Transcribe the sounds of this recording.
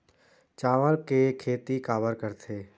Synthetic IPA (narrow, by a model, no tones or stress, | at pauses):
t͡ʃaːʋəɾkekʰeːt̪ikaːbəɾkəɾt̪ʰeː